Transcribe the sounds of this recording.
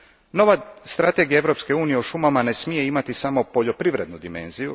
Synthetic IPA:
no̞ʋast̪ɾat̪e̞ɡijaeʋvɾo̞pske̞uːnije̞oʃumamane̞smije̞imat̪isamo̞po̞ʎo̞pɾiʋɾe̞d̪nud̪ime̞̰nziju

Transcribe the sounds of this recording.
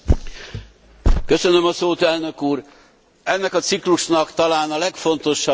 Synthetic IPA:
kø̞sø̞nømɒsoːt̪ɛlnø̞kuːr | ɛnːɛkɒt̪sikluʃnɒkt̪ɒlaːnɒlɛkfo̞n̪t̪o̞ʃːɒ

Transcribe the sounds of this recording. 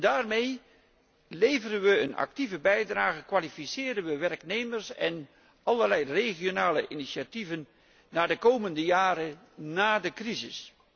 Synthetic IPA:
daːrmej | lejvərənʋəənɑ̰k̚tivəbɛjdraːχəkʋaːlifisɪːdənʋəʋɛrknejməɹsɛ̰n | ɑlərlɛjreχijonaːləʔiniʃativənː | aːdəkowməndəjaːɾə | naːdəkrizɪ̰s

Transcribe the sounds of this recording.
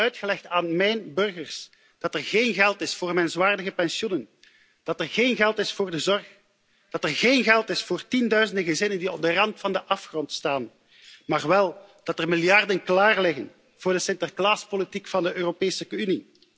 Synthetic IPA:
œɥtxəlɛxtaːnmɛjnbɵrɣərs | d̥ɑtɛrɣeːnɣɛlˠtɪsfoːrmɛnzwaːrdəɣəpɛnsjunən | d̥ɑtɛrɣeːnɣɛlˠtɪsfʊːrdəzɔrx | d̥ɑtərɣeːnɣɛlˠtɪsfoːrtindœɥzəndəɣəzɪnəndiɔb̚dərɑntfɑndəʔɑfxrɔntstaːn | maːrʋɛlˠ | d̥ɑtərmɪlˠjɑrdənklaːrlɪɣən | v̥ʊːrdəsɪntərklaːspolitikfɑndəʔøːropeːsəkyni

